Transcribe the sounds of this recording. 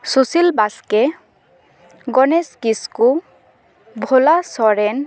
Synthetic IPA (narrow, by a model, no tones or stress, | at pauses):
susilbaske | ɡɔneskisku | bʱolasɔɾen